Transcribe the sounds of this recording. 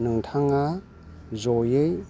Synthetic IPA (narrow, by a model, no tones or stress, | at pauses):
nɯŋtʰaŋa | zɔjɯj